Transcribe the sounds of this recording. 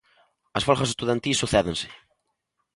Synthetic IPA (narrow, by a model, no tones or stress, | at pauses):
ɐsfɔlxɐs̬est̪uðant̪isuθɛðensɪ̥